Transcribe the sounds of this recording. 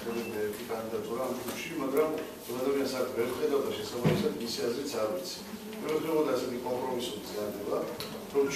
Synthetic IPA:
ɛbɛnɛɾt̪ʰikʼand̪id̪at̪ʼuɾaːmt̪ʰuʃimaɡɾam | zɔɡad̪amiansaɾk̪ʰvɛɾmχɛd̪awd̪aʃɛsabamisad̪misiazɾit̪sʰaɾvit̪sʰi̥ | mɛvɛt̪ɛʁɔd̪aːsɛt̪ʰikʼɔmpʼɾɔmisuɾizɡaɾd̪ɛba | ɾɔmt͡ʃ

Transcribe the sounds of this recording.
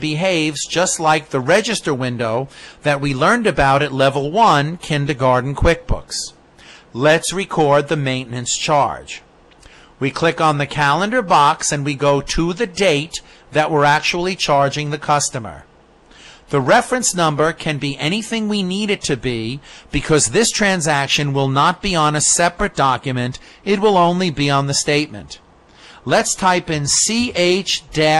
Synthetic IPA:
b̥ɨɦeɪvzd͡ʒʌstˡlaɪk̚ðɨɹɛd͡ʒɨstə˞wɪ̃ndoʊðɨt̚wilɜ̃˞ndɨbaʊɾɨtˡlɛvl̩ˠwʌ̃nkʰɪ̃ndɨɡɑɹdⁿn̩kʰw̥ɪk̚b̥ʊ̰ks | lɨtsɹɨkʰɔɹd̪̚ðɨmẽɪ̃nnɨ̃nst͡ʃʰɑ̰ɹd̥ʒ̥ | wikʰl̥ɪkn̩ðɨkʰælˠə̃ndə˞bɑksɨ̃nwiɡoʊɾəðɨdeɪt̪̚ | ðɨʔ̚wə˞æk̚t͡ʃul̩ˠit͡ʃʰɑɹd͡ʒɪ̃ŋðɨkʰʌstɨmə̰˞ | ðɨɹɛfɹɨ̃nsnʌ̃mbə˞kʰɨ̃nbiʔɛɾ̃iθɪ̃ŋwiniɾɨd̚tʰɨbib̥ɨkʰʌzðɪstʰɹ̥æ̃nzækʃɨ̃nwɪlˠnət̚b̥iə̃nɨsɛpɹɨt̚d̥ɑkjɨmɨ̃nt | ɨt̚wəlˠõʊ̃nlibiə̃nðɨsteɪt̚mɨ̰̃nt | lɨtstʰaɪpɨ̃nsieɪt͡ʃd̥ɛ

